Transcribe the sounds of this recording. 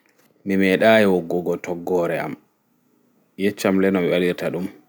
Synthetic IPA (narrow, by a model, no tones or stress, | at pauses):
mimɛɗaːjɛwɔɡːɔɡɔtɔɡːɔːɾɛa̰m | jɛt͡ʃːamlɛnɔmiɓaliɾtaɗum